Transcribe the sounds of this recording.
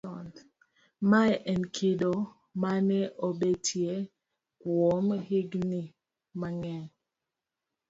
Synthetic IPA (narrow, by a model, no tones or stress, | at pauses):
ɔnd | maʔɛnkʰido | manɛʔobetʰje | kwomhiɡni | maŋɛ